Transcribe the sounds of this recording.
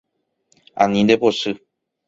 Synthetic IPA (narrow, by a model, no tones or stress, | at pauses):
ã̰nĩnd̪eposɨ